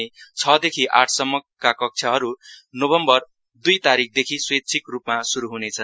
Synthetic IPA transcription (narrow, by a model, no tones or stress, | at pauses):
et͡sʰʌd̪ekʰiʔaʈʰsʌmːʌkːakʌk̚t͡sʰʌɦʌɾunobʌmbʌr | d̪ujt̪aɾik̚ʰd̪ekʰiswet̪̚t͡sʰikrupmasuɾuɦunet͡sʰʌn